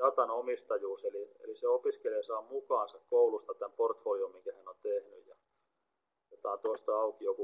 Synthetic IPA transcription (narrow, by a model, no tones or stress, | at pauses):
ɑt̪ɑnomist̪ɑjuːseliḛliseopiskeleːˑsɑːmmukɑːnsɑkkoulust̪ɑt̪æmport̪folijommiŋkæhænont̪ehny̰jjɑ | jot̪ɑnt̪oist̪ɑɑukijoku